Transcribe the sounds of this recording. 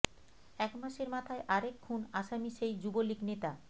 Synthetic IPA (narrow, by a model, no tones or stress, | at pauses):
ɛkmaʃeɾmat̪ʰaeʔaɾekʰːunaʃamiʃejd͡ʑuboliknet̪a